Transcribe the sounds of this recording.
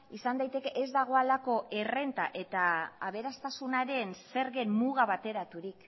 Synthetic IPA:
isand̪ajt̪e̞ke̞ʔezd̪aɣ̞o̞alako̞e̞re̞nt̪a̰ʔe̞t̪aːβ̞e̞ɾast̪asunaɾe̞nse̞ɾɣenmuɣ̞aβat̪e̞ɾat̪uɾik

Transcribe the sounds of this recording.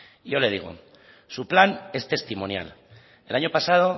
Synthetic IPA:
ʝo̞le̞ð̞iɣ̞o̰ | suplane̞st̪e̞st̪imonja̰l | elaɲo̞pasað̞o̞

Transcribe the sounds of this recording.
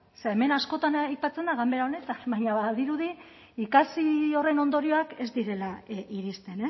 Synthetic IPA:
seeme̞nasko̞t̪anajpat͡se̞nd̪aɣambe̞ɾaone̞t̪aβajɲaβaðiɾuði | ikasio̞re̞no̞nd̪o̞ɾio̞ake̞zd̪iɾe̞laiɾist̪e̞ne̞

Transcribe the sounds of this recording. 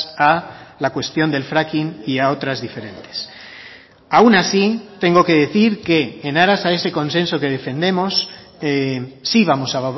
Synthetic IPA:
alakwe̞st̪jo̞nd̪e̞lfɾakiniao̞t̪ɾazðife̞ɾe̞nt̪e̥s | awnasit̪e̞ŋɡo̞ke̞ð̞e̞θiɾke̞ːnaɾasae̞se̞kõ̞nse̞nso̞ke̞ðe̞fẽ̞nd̪e̞mo̞s | iβamo̞saβa

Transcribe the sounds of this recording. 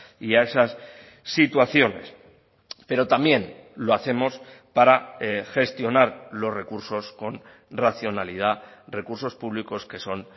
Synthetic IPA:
iae̞sasː | it̪waθjo̞ne̞̰s | pe̞ɾo̞t̪amje̞nlo̞aθe̞mo̞spaɾaxe̞st̪jo̞naɾlo̞sre̞kuɾso̞sko̞n | raθjo̞nalið̞are̞kuɾso̞spuβliko̞ske̞so̞n

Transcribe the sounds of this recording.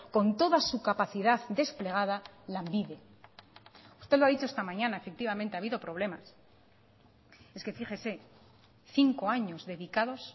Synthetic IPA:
ko̞nt̪o̞ðasukapaθiðaðd̪e̞sple̞ɣ̞að̞alambiðe̞ | u̥st̪eðloaðit͡ʃo̞est̪amãɲãnaefe̞k̚t̪iβamẽnt̪eaβiðo̞pɾo̞β̞le̞mas | eske̞fiχe̞se̞ | θiŋko̞aɲo̞zðe̞ðikaðo̞s

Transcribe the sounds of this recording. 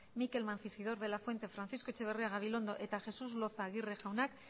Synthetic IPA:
mike̞lmanθisið̞o̞ɾðe̞lafwe̞nt̪e̞fɾanθisko̞t͡ʃe̞β̞e̞reaɣaβilo̞nd̪o̞ʔe̞t̪aʝe̞suzlo̞θaɣ̞ireʝawnak

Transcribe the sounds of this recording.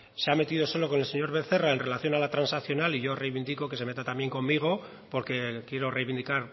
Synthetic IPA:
se̞ame̞t̪iðo̞so̞lo̞ko̞ne̞lse̞ɲo̞ɾβe̞θe̞rae̞nre̞laθjo̞nalat̪ɾansakθjo̞naliʝo̞re̞jβind̪iko̞ke̞seme̞t̪at̪amje̞ŋko̞mːiɣ̞o̞ | po̞ɾke̞kje̞ɾo̞rejβind̪ikaɾ

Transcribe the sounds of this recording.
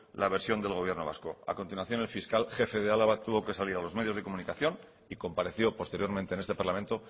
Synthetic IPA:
lʔaβeɾsjo̞nd̪e̞lɣ̞o̞β̞je̞ɾno̞βa̰sko̞a̰ko̞nt̪inwaθjo̞ne̞lfiskalxe̞fe̞ðealaβ̞at̪uβo̞ke̞saliɾalo̞zme̞ð̞jozð̞eko̞mũnikaθjo̞n | iko̞mpaɾe̞θjo̞po̞st̪e̞ɾjo̞ɾmẽnt̪eːne̞st̪e̞paɾlamẽ̞nt̪o̞

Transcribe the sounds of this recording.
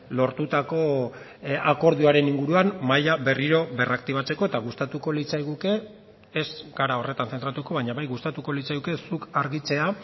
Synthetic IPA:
lo̞ɾt̪ut̪ako̞ | ako̞ɾð̞iaɾe̞niŋɡuɾuammajaβe̞riɾo̞βe̞rakt̪iβ̞at͡se̞ko̞e̞t̪aɣust̪at̪uko̞lit͡sajɣuke̞ː | zɡaɾao̞re̞t̪anθent̪ɾat̪uko̞β̞aɲaβajɣust̪at̪uko̞lit͡sajɣuke̞sukaɾɣit͡se̞a

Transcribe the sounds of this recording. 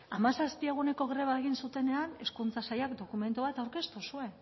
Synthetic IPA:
amasaspie̞ɣ̞une̞ko̞ɣɾe̞βaeɣ̞insut̪e̞ne̞ane̞skunt͡sasajakd̪o̞kume̞nt̪uβ̞at̪awɾke̞st̪usue̞

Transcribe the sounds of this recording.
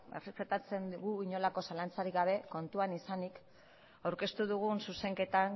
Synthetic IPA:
erepet̪at͡se̞nd̪uɣuiɲo̞lako̞salant͡saɾiɣaβ̞e̞ko̞nt̪uanisanik | awɾke̞st̪uðuɣ̞unsuse̞ŋke̞t̪an

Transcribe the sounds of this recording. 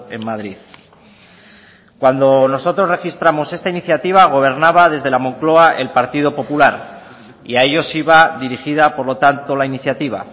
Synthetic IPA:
e̞mmaðɾið | kwand̪o̞no̞so̞t̪ɾo̞zre̞xist̪ɾamo̞se̞st̪ainiθjat̪iβaɣ̞o̞β̞e̞ɾnaβað̞e̞zðe̞lamõ̞ŋklo̞aʔe̞̰lpaɾt̪ið̞o̞po̞pulaɾ | iae̞ʝo̞siβaðiɾixiðapo̞ɾlo̞t̪ant̪o̞lainiθjat̪iβ̞a̰

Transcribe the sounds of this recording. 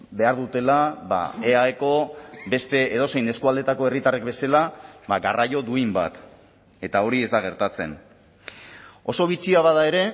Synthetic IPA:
be̞aɾðut̪e̞laβa̰eaeko̞be̞st̪e̞ːð̞o̞se̞jne̞skuald̪e̞t̪ako̞e̞rit̪arekbe̞selaβaɡarajo̞d̪uimba̰t̪ | e̞t̪ao̞ɾie̞zd̪aɣ̞e̞ɾt̪at͡se̞̰n | o̞so̞β̞it͡siaβaðae̞ɾe̞

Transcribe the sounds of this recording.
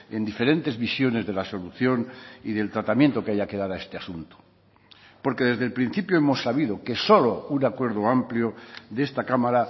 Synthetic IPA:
e̞nd̪ife̞ɾẽ̞nt̪e̞zβisjo̞ne̞zðe̞laso̞luθjo̞niðe̞lt̪ɾat̪amjent̪o̞keaʝake̞ðaðae̞st̪easunt̪o̥ | po̞ɾke̞ðe̞zðe̞lpɾin̟θipjo̞emo̞sːaβiðo̞ke̞so̞lo̞unakwe̞ɾð̞oampljoðe̞st̪akamaɾa

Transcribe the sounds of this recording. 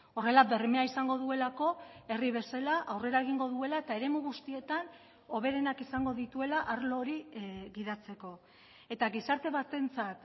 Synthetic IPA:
o̞re̞labe̞rime̞aisaŋɡo̞ðue̞lako̞e̞riβ̞e̞salaʔawre̞ɾaeɣ̞iŋɡo̞ðue̞laet̪ae̞ɾe̞muɣust̪ie̞t̪an | o̞βe̞ɾe̞nakisaŋɡo̞ðit̪ue̞laʔaɾlo̞ːɾiɣiðat͡se̞ko̞ | e̞t̪aɣisaɾt̪e̞βat̪e̞nt͡sat̪

